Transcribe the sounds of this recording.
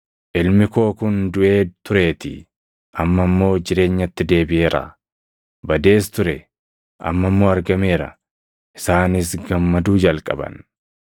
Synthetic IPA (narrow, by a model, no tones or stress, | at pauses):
ʔɪlmɪko̞ːkʊnd̪ʊʔe̞ːt̪ʊɾe̞ːt̪ɪ̰ | ʔɐmːɐmːo̞ːd͡ʒɪɾe̞ːɲːɐt̪ːɪd̪e̞ːbɪʔe̞ːɾɐ̰ | bɐd̪e̞ːst̪ʊɾɛ | ʔɐ̰mːɐmːo̞ːɐɾɡɐmeːɾɐ̰ | ʔɪsaːnɪsɡɐmːɐd̪uːd͡ʒɐlkʼɐ̰bɐ̰n